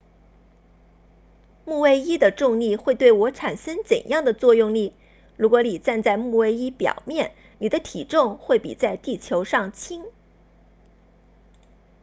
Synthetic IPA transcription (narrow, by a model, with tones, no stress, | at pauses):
mu˥˧we˥˧ɪi˥d̪ə˨ʈ͡ʂʊ˥˧ŋli˥˧xwe˥˧ɪt̪we˥˩ɪwɔ˧˥ʈ͡ʂʰa˨˩nʂə˥ŋt͡sə̰˨˩njɑ˥˩ŋd̪ə˩t͡swɔ˥˧jʊ˥˧ŋli˥˩ | ɻu˧˥kwɔ˧˥ni˨˩t͡sa˥˧nt͡sa˥˧ɪmu˥˧we˥˩ɪi˥pjɑ̰˨˩ʊmjɛ˥˩n | ni˨˩d̪ə˦t̪ʰi˨˩ʈ͡ʂʊ˥˧ŋxwe˥˩ɪpḭ˨˩t͡sa˥˧ɪt̪i˥˩t͡ɕʰjo˧˥ʊʂɑ˥˩ŋt͡ɕʰi˥ŋ